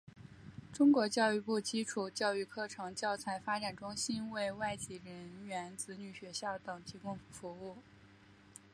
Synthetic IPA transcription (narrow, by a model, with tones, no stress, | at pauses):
ʈ͡ʂʊ˥ŋkwɔ˧˥t͡ɕjɑ˥˧ʊy˥˧pu˥˩t͡ɕi˥ʈ͡ʂʰu˨˩t͡ɕjɑ˥˧ʊy˥˧kʰɤ˥˩ʈ͡ʂʰɤ˧˥ŋt͡ɕjɑ˥˩ʊt͡sʰa˧˥ɪfa˥ʈ͡ʂa˨˩nʈ͡ʂʊ˥ŋɕi˥nwe˥˧ɪwa˥˩ɪt͡ɕi˨˩ɻə˧˥nɥɛ˧˥nt͡sɹ̩˧˥ny˨˩ɕɥɛ˧˥ɕjɑ˥˩ʊt̪ɤ˨˩ŋt̪ʰi˧˥kʊ˥ŋfu˧˥u˥˩